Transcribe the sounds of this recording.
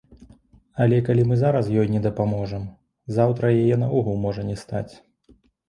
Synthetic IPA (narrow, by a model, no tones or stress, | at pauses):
ɐlʲɛkalʲimɨzaɾɐs̬jɔjnʲɛd̪ɐpamɔʐɐm | zawt̪ɾɐjajɛnaɔɣulˠmɔʐɐnʲɛst̪a̰t͡sʲ